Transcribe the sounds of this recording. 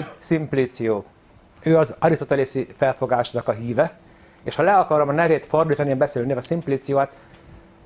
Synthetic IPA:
simplit̪sijoː | øːɒzɒɾist̪ot̪ɛlesifɛlfo̞ɡaːʃnɒkɒɦiːvɛ | eːʃhɒlɛɒkɒɾomɒnɛveːt̪fo̞rd̪iːt̪ɒniebɛseːlneɒsimpliːt̪sijoːaːt̪

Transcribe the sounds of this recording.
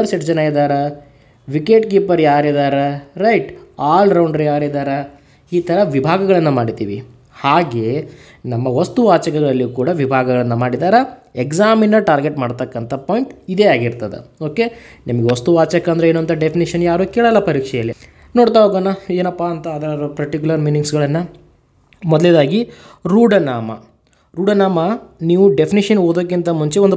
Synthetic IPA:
ɐɾsɐʈd͡ʒɐnaid̪aːɾe | ʋikeʈkiːpɐɾjaːɾid̪aːɾeɾɐjʈaːlɾɐwɳɖɐɾjaːɾid̪aːɾe | iːt̪ʰɐɾɐʋibʱaːɡɐɡɐɭɐnːɐmaːɽit̪ḭːʋi | haːɡe̞ː | nɐmːɐʋɐst̪uʋaːt͡ʃɐɡɐɡɐɭɐlːiukuːɽɐʋibʱaːɡɐɡɐɭɐnːɐmaːɽid̪aːɾɐekzaːminːɐʈaːɾɡeʈmaːɽt̪ɐkːɐnt̪ʰɐpoːjɳʈid̪e̞ːaːɡiɾt̪ɐd̪ḛo̞ːke̞nimɐɡeost̪uʋaːt͡ʃɐkːɐnd̪ɾeeːnuɐnt̪ʰɐɖepʰiniʂɐnjaːɾuːkeːɭɐlːɐpɐɾiːkʂɛjɐlːi | no̞ːɽt̪aɦoɡaːnːɐe̞ːnɐpːaɐnt̪ɐːd̪ɐɾɐɾɐpɐɾʈik̬ʲulɐɾmiːniŋɡsɡɐɭɐnːɐ | mɔd̪led̪aːɡiɾuːɖɐnaːmɐ̰ | ɾuːɖɐnaːmɐniːʋuɖepʰiniʂɐnoːd̪oːk̬ːint̪ɐmuɲt͡ʃeond̪u

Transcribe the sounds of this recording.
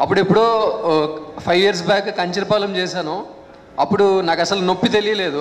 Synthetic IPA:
ɐpːuɽepːuɽoː | pʰɐjijɐɾs̬bjaːkkɐɲt͡ʃiɾipaːlɐmt͡ʃɛːsaːnu | ɐpːuɽunaːkɐsɐlunopːit̪e̞lijɐle̞ːd̪u

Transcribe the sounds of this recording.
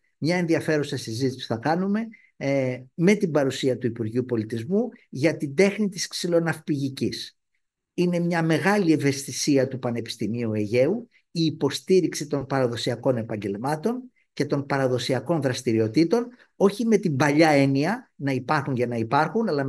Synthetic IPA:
mɲɐe̞nðiɐfe̞ɾusɐsizit̪isi̥θɐkɐnume̞ | me̞t̪ibɐɾusiɐt̪uipuɾʝiupo̞lit̪izmuʝɐt̪ind̪e̞xnit̪isksilo̞nɐfpiʝicis | ine̞mɲɐme̞ɣɐlie̞ve̞st̪isiɐt̪upɐne̞pi̥st̪imiue̞ʝe̞u | iːpo̞st̪iɾiksit̪o̞npɐɾɐðo̞siɐko̞ne̞pɐɲɟe̞lmɐt̪o̞n | ce̞t̪o̞npɐɾɐðo̞siɐko̞nðɾɐst̪iɾio̞t̪it̪o̞n | o̞çime̞t̪imbɐʎɐe̞niɐnɐipɐɾxunʝɐnɐipɐɾxunɐlɐ

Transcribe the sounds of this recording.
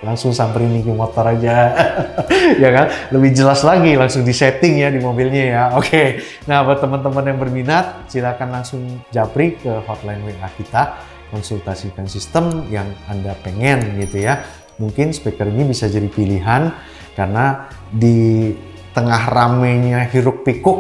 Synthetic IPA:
laŋsʊŋsampainikəmot̪ɔɾad͡ʒa | jakanləbɪhd͡ʒəlaslaɡilaŋsʊŋdisɛt̪ɪŋjadimobilɲajaokʰe | naɦapat̪əmənt̪əmənjaŋbərminat̪̚silakanlaŋsʊŋd͡ʒapɾikəɦɔt̪lajnweahkit̪a | kɔnsult̪asikansist̪əmjaŋandapəŋɛnɡit̪uja | muŋkɪnsə̥pɛkəɾinibisad͡ʒadipiliɦan | karəna | di | t̪əŋahramɛɲaɦiɾʊk̚pikʊk̚

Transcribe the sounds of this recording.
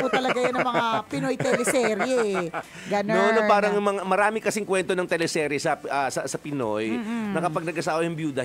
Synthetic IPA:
ut̪ɐlɐɡajonɐmɐŋapɪnojt̪ɛlɛsɛːɾjɛ | ɡɐnonpaːɾɐŋjʊmɐŋamɐɾaːmɪkɐsɪŋkwɛnt̪onɐŋt̪ɛlɛsɛːɾjɛsɐʔɐsɐsɐpɪnojnɐkɐpɐɡ̚nɐɡʔɐsaːʔojʊŋbjuːd̪ɐ

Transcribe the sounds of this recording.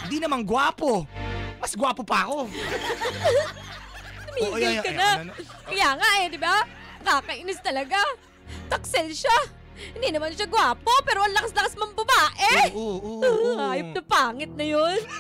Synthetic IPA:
ɪnd̪inɐmaŋɡwaːpomɐsɡwaːpopɐɐko̞ | t̪ʊmiɡɪlkɐna | kɐjaːŋaʔɛd̪ɪba | nɐkaːkɐʔɪnɪst̪ɐlɐɡa | t̪ɐk̚sɛlʃa | hɪnd̪inɐmanʃaɡwaːpo̞pɛːɾoʔɐnlɐkɐslɐkasmɐŋbɐbaːʔɛ | ŋaːjop̚nɐpaːŋɪt̪̚nɐjon

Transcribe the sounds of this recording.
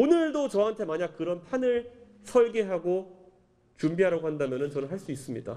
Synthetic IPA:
onɯɭdot͡ɕʌɦantʰe̞maɲak̚kɯɾʌnpʰanɯɭ | sʰʌɭɡe̞ɦaɡo | t͡ɕumbiɦaɾaɡoɦandamjʌnɯnt͡ɕʌnɯɭɦaɭs͈uis͈ɯmɲida̰

